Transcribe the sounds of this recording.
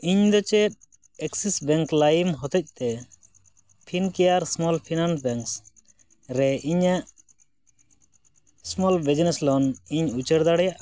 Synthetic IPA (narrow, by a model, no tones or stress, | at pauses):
iɲd̪ɔt͡ʃɛt̪̚ | ɛksisbɛŋklajmɦɔt̪ɔc̚t̪ɛ | pʰinkɛjaɾsmɔlpʰinansbɛŋks | ɾɛiɲaʔ | smɔlbɛd͡ʒnɛslɔniɲut͡ʃəɾd̪aɽɛjaʔ